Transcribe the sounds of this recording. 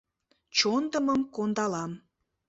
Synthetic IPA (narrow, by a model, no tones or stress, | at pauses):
t͡ɕond̪əməmkond̪ɑlɑm